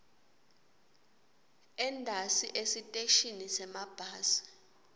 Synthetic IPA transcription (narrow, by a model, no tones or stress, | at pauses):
ɛndʱasiʔesitʼeʃinisɛmab̥ʱaːsi̥